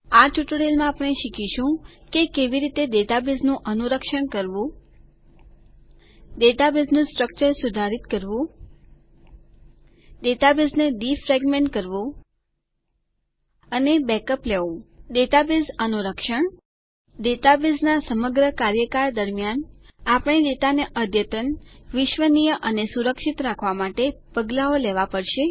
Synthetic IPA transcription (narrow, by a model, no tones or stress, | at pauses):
atuʈɽelmãːpɳ̃eʃikiʃũkekeʋiɾit̪ed̪et̪abiznũʔənuɾəkʃəɳkəɾʋũ | d̪et̪abiznũsʈɾək̚t͡ʃəɾsud̪ʱaɾit̪kəɾʋũ | d̪et̪abiznedifɾɛɡmẽɳʈkəɾʋõ | ənebɛkəpleʋũd̪et̪abizənuɾəkʃəɳ | d̪et̪abiznasəməɡɾəkaɾjəkaɾd̪əɾmjanapɳ̃id̪et̪aneʔəd̪ʱjət̪ənʋɪʃʋənijəʔənesuɾəkʃit̪ɾakʰʋamaʈepəɡlaoleʋapəɽʃe